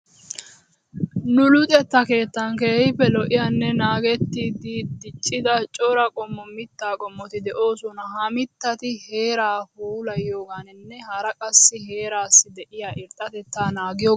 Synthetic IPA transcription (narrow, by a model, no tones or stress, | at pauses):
nʊlʊt̪ʼɛt̪ːɐke̞ːt̪ːɐŋkeːhɪpːɛlɔʔɪjɐnːɛnaːɡɛt̪ːiːd̪ɪd̪ɪt͡ʃʼːɪd̪ɐt͡ʃʼɔɾɐkʼɔmːɔmɪt̪ːaːkʼɔmːɔt̪ɪd̪ɛʔo̞ːsɔnɐɦɐmɪt̪ːɐt̪ɪhe̞ːɾaːhuːlɐjjo̞ːɡaːnɪnːɛhɐɾɐkʼɐsːɪɦe̞ːɾaːsːɪd̪ɛʔɪjaʔɪɾt̪ʼːɐt̪ɛt̪ːaːnaːɡɪjoː